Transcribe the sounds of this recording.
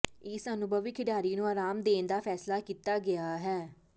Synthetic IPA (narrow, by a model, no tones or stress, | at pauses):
ɪsənʊbʱəʋikʰɪɖaːɾiːnũːaːɾaːmd̪eːnd̪aːpʰɛːslaːkiːt̪aːɡɪaːɦɛː